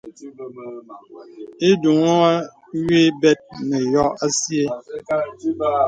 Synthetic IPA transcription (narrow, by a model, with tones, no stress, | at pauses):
e˦du˨ŋo˦a˦ | ɥe˦bɛ˦t̚ne˨jɔ˦a˦sje˦